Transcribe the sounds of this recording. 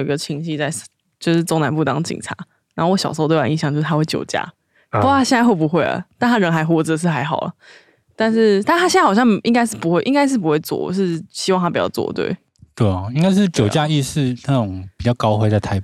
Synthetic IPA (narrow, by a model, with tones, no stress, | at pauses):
i˧ɡə˧t͡ɕʰi˧˥ŋɕi˥˧t͡sa˥˩ɪ | t͡ɕjo˥˧ʊʂɻ̩˥˩t͡so˥ŋna˧˦npu˥˩t̪ɑ˥ŋt͡ɕḭ˨˩ŋʈ͡ʂʰa̰˧˥˦ | nna˨˧no˥˩wo˧˩ɕɑ˨ʂo˧˥˧t̪wi˧˥˧ɕjɑ˨˩ŋt͡ɕo˥˧ʂ̩ʰ˥˩˥we˥˩t͡ɕjo˨˩ʊt͡ɕja̰˥˩ | pu˥˩t̪ʰa˥ɕjɛ˥˧nt͡sa˥˧ɪwo˥˩pu˧˦xwe˥˩ɪlə̰˩t̪a˥˩nt̪ʰa˥ɻə˧˥nxa˧˥ɪxwɔ˧˩˦ʈ͡ʂ̩ə˨˩ə˨ʂɻ̩˥˩xa˧˥ɪxɑ˨˩ʊlə̰˩ | t̪a˥˧nʂɻ̩˥˩t̪ʰa˥˩t̪a˥ɕna˥˩ɑ˨˩ɕjɑ˥˩ŋi˥ŋka˥ɪʂɻ̩˥˩pu˧˥xwe˥˩ɪʔi˥ŋka˥ɪʂ̬ɻ̩˥˩pu˦xwe˥˧ɪt͡swɔ̰˥˩ʂɻ̩˥˩ɕi˧˥wɑ˥ŋt̪ʰa˥pi˨˩t͡ɕɑ˥˧ʊt͡swɔ̰˥˩t̪wḛ˥˩ɪ | t̪we˥˩ɪɔ˩i˥ŋka˥ɪʂɻ̩˥˩t͡ɕjo˨˩ʊt͡ɕja˥˧i˥˧ʂɻ̩˥˧na˥˩ʈ͡ʂʊ˨˩˦ŋpi˨˩t͡ɕjɑ˥˩ʊkɑ˥ʊxwe˥ɪt͡sa˥˩ɪt̪ʰa˧ɪ